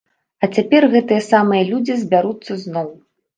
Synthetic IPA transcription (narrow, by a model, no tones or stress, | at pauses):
ɐt͡sʲapʲɛrɣɛt̪ɨjɐsamɨjɐlʲud͡zʲizʲbʲaɾut̪sːɐznɔw